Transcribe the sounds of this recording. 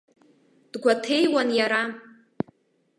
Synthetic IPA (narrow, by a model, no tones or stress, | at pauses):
d̥ɡʷatʰe̞jwanjaɾa